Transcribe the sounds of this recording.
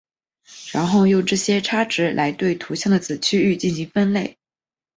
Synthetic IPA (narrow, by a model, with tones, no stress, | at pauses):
ɻa˧˥nxo˥˧ʊjo˥˧ʊʈ͡ʂɤ˥˩ɕjɛ˥ʈ͡ʂʰa˥ʈ͡ʂɻ̩˧˥lʔa˧˥ɪt̪we˥˩ɪt̪ʰu˧˥ɕjɑ˥˩ŋd̪ə˩t͡sɹ̩˨˩t͡ɕʰy˥y˥˧t͡ɕi˥˩nɕi˧˥ŋfə˥nle˥˩ɪ